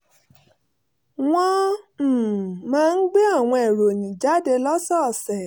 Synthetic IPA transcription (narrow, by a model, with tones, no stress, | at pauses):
w̃ɔ̃˧˨ | mãː˦˧n̩˦ɡ͡be˦a˦˨w̃ɔ̃˧ɛ˨ɾo˨nĩ˨d͡ʒa˨˦de˧lɔ˦sɔ˦˨sɛ˨